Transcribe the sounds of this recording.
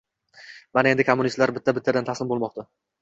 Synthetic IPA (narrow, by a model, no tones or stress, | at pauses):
manaend̪ɪkʰomːʊnist̪laɾbɪt̪ʰːabɪt̪ʰːad̪ant̪ʰaslɪnmbolˠmɒqt̪a